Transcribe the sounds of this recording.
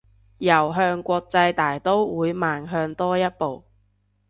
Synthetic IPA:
jɐ˨˩wɦœː˧ŋkʷɔː˧k̚t͡sɐ˧jt̪aː˨˩jt̪o˥wwuː˨˧jmaː˨nɦœː˧ŋt̪ɔː˥jɐ˥t̚po˨w

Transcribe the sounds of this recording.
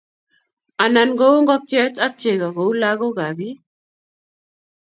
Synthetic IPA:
a˨na˨nɡo˦wo˦ŋɡɔ˦k̚t͡ʃjɛ˦ta˦k̚t͡ʃe˨ɡa˨ɡo˨u˦la˦ɡo˦ɡa˨bi˦

